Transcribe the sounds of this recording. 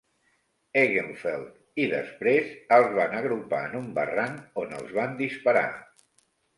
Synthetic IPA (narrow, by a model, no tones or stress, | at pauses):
eɣeɱfɛlˠt̪ | iðə̰spɾezəlˠzβanəɣɾupa̰ənumbəranonə̰lˠzβand̪ispəɾa̰